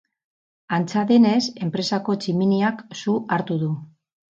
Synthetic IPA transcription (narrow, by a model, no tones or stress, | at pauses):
ant͡saðene̞se̞mpɾe̞sako̞t͡ʃiminiaksuʔaɾt̪uðu